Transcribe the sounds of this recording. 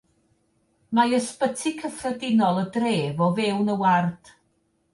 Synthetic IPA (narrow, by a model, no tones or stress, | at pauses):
majəspətʰikʰəfrɛdɪnɔlˠədreːvɔvɛwnəward̥